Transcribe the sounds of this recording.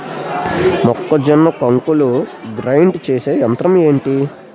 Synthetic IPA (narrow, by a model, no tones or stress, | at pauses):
mɔkːɐd͡ʒɐnːɐkɐŋkuluɡɾɐjɳɖt͡ʃeːseːɐnt̪ɾɐme̞ːɳʈi